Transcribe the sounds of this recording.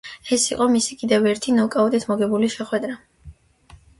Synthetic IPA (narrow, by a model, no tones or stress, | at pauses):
ɛsiqʼɔmisikʼid̪ɛvɛɾt̪ʰinɔkʼaud̪it̪ʰmɔɡɛbuliʃɛχwɛd̪ɾa